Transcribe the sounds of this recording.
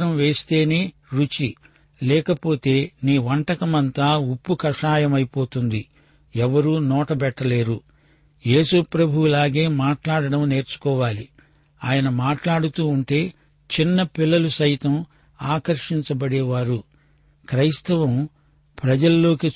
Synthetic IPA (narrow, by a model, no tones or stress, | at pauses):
ɾɐmʋe̞ːst̪e̞ːne̞ːɾut͡ʃi | lɛːkɐpo̞ːt̪e̞ːniːʋɐɳʈɐkɐmɐnt̪aːupːukɐʂaːjɐmɐjipo̞ːt̪und̪i | ɛʋɐɾuːnɔːʈɐbɛʈːɐle̞ːɾu | jeːsupɾɐbʱuwulaːɡe̞ːmaːʈlaːɽɐɽɐmne̞ːɾt͡ʃu̥kɔːʋaːli | aːjɐnɐmaːʈlaːɽut̪uːuɳʈe̞ː | t͡ʃinːɐpilːɐlusɐjt̪ɐm | aːkɐɾʂiɲt͡ʃɐbɐɽɛːʋaːɾu | kɾɐjst̪ɐʋɐm | pɾɐd͡ʒɐlːo̞ːki